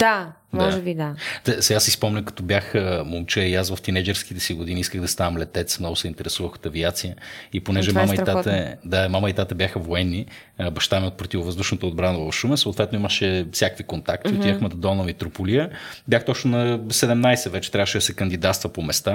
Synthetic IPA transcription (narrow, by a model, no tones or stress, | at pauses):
d̪a | dmɔaʒɛbid̪at̪ɛsasispɔmnʲəkɐ̥t̪ɔbjaxəmolˠt͡ʃɛiasvɐft̪inɛd͡ʒɛɾsk̟it̪ɛsiɡʊd̪iniiskəɣd̪ɐst̪anəmlɛt̪ɛt̪smnɔɡʊsɛint̪ɛɾɛsuvəxo̥t̪ɐviat̪sijəiponɛʒɛmamɐit̪at̪ɛd̪amaməit̪at̪əbjaxəvoɛnːi | bɐʃt̪amiot̪pɾot̪ivʊvəzd̪uʃnɐt̪əːd̪bɾanəvɐfʃumɛsoːt̪vɛt̪noiməʃɛfsʲakəkvikont̪ak̚t̪ioijaxmɛt̪ɐd̪ɔnəmit̪ɾopuliəbʲjaxt̪ɔt͡ʃnʊnɐsɛd̪ɛmnajsɛvɛt͡ʃɛt̪ɾʲavəʃɛd̪ɐsɛkɐnd̪id̪at̪st̪vəpomɛst̪a